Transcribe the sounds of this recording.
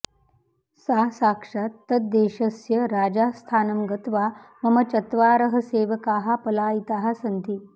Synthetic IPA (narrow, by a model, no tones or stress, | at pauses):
saːsaːkʂaːt̪ːɐt̪̚d̪eːʃɐsjɐɾaːd͡ʒaːst̪ʰaːnɐmɡɐt̪ʋaːmɐmɐt͡ʃɐt̪ʋaːɾɐɦɐ̆seːʋɐkaːɦapɐlaːit̪aːɦasɐnt̪i